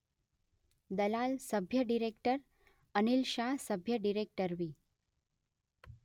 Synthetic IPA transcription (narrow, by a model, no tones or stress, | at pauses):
d̪əlalsəbʱjəɖiɾek̚ʈəɾ | ənilɕaɦsəbʱjəɖiɾek̚ʈəɾʋiː